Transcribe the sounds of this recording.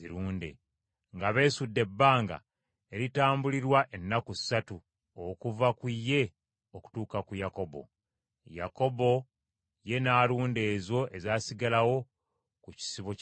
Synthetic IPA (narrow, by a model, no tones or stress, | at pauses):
ziɾuːndḛ | ŋɡaβe̞ːsudːe̞bːaːŋɡa̰ | e̞ɾitaːmbuliɾwaʔenːakusːatu | okuvakwijːe̞ | o̞ku̥tuːkakujako̞bo̞̰ | ja̰ko̞bo̞ | je̞naːluːnde̞ːzo̞ʔe̞zaːsiɡalawo̞ | kuci̥siβo